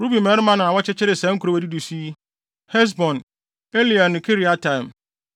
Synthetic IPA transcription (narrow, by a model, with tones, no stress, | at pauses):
ɾu˦bĩ˨mɛ˦ɾmã˦nã˨a˨wɔ˦t͡ɕɪ˦t͡ɕʰɪ˦ɾɪ˨sɛ̃˦ŋ̩˦kʰu˨ɾo˦˨e˨di˦du˨si˦ | hɛ˦s̬bɔ̃˨n | e˦li˨a˨nʊ̃˨kʰe˦ɾi˦a˨tʰã˦˨m